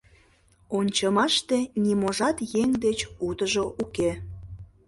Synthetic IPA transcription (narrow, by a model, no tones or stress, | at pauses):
onʲt͡ɕɑmɑʃt̪enimoʒɑt̪jeŋd̪et͡ɕut̪əʒoʔuke